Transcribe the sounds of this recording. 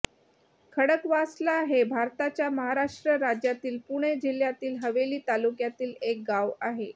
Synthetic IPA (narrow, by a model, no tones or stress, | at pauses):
kʰəɽəkʋaslaɦebʱaɾt̪at͡ɕjaməɦaɾaʂʈɾəɾad͡ʑjat̪iːlpuɽ̃ed͡ʑiljat̪iːlɦəʋeliːt̪alukjat̪iːlek̚ɡaʋaɦe